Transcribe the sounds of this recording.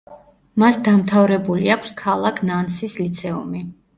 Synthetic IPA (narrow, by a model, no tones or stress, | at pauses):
masd̪amt̪ʰavɾɛbuliakʷʰskʰalˠakʰnansislit̪sʰɛṵmi